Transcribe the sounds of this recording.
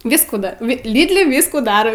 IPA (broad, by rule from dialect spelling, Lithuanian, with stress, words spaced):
ˈʋʲiːskuː ˈdɐ ʋɐ ˈlʲiːdʲlʲɪ ˈʋʲɪskuː ˈdɑːrʲɛʊ